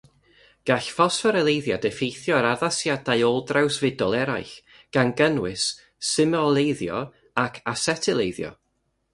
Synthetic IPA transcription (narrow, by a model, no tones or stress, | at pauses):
ɡ̥aɬfɔsfəɾəlˠejðjadɛfejθjɔaɾaðasjadajolˠdrawsvɪdɔlˠɛɾajɬ | ɡ̥anɡənwɪsː | ɪmɔlˠejðjɔ̰ | akʰasɛtʰɪlˠejðjɔ̰